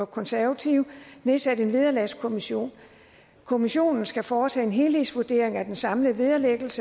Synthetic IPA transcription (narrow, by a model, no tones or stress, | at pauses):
ɒkʰɒ̽nsæɐʋæt͡sʰiʊne̝sæd̥e̝nʋið̞ˠɐlæskʰo̝miɕo̝̰ːn | kʰo̝miɕo̝̰ːnn̩sɡ̥æfɒːt͡sʰɛ̰ːe̝nɦe̝lhisʋuɐd̥e̝ːɐ̰e̝ŋæd̥ensɑ̈mləʋið̞ˠɐleɡ̥l̩sə